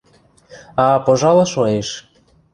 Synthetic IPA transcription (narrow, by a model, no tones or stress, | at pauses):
ɑpoʒɑlˠɤʃojeʃ